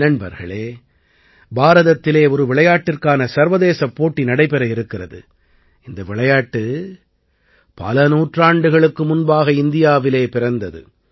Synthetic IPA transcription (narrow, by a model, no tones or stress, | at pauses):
nɐnbɐ̰ɾɣɐ̰ɭeː | baːɾɐðɐt̪ːɪleːɔɾɯʋɪɭɐjaːʈːɪrkaːnɐsɐɾʋɐðeːsɐpːoːʈːinɐɽɐɪpɛɾɐɪɾɯkːɪrɐðɯ̰ | ɪnd̪ɐʋɪɭɐjaːʈːɯ | pɐ̰lɐnuːʈraːɳɖɯɣɐɭɯkːɯmʊnbaːɣɐɪnd̪ɪjaːʋɪleːpɪɾɐnd̪ɐðɯ̰